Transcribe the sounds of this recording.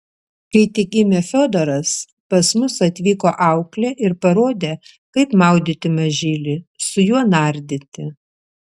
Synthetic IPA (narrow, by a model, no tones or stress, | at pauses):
kɐɪt̪ʲɪkɪmʲefʲoːd̪oɾɐs | pɐsmʊsɐt̪ʲʋʲiːkoːʔɑʊklʲɛʔɪɾpɐɾoːd̪ʲeː | kɐɪpmɐˑʊd̪ʲɪt̪ʲɪmɐʒʲiːlʲɪsʊjuɔnɑɾʲd̪ʲɪt̪ʲɪ